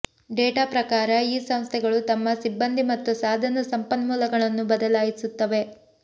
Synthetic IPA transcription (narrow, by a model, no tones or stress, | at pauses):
ɖeːʈaːpɾɐkaːɾɐiːsɐmst̪ʰɛɡɐɭut̪ɐmːɐsibːɐnd̪ʱimɐt̪ːusaːd̪ʱɐnɐsɐmpɐnmuːlɐɡɐɭɐnːubɐd̪ɐlaːjisut̪ːɐʋe̞